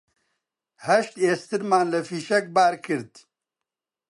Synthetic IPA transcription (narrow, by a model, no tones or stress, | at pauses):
hɐʃt̪eːst̪ɨɾmaːnlɐfiːʃɐk̚baːɾkʰɨɾd̪